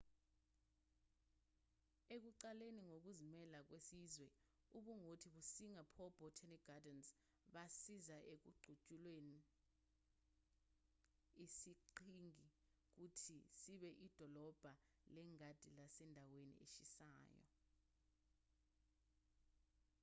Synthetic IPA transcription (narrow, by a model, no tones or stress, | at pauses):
ek̬uǃaleniŋok̬uzimɛlak̬wesizwɛ | uɓuŋotʰiɓusiŋapʰɔb̥ʱɔtʰɛniɡ̥adɛns | ɓasizaʔek̬uɡ͡ǀʱut͡ʃʼulweni | isiǃʰiŋi | k̬utʰisiɓɛʔid̥ʱɔlɔb̥ʱa | lɛŋad̥ʱilasɛndʱawenḭeʃisa̰ːjɔ̰